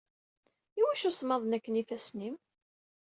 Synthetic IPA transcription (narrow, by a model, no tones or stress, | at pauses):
iwæʃusmɑðˤnækːənifæsnim